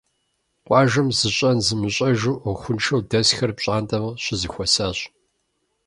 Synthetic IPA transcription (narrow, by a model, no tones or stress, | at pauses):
qʷʼɑːʒɐmzɨɕʼɐnzɨmɨɕʼɐʒuːʔxʷʊnʃʰɐwdɐsxɐrpɕʼaːntʼɐmɕɪzɨxʷɔsaːɕʼ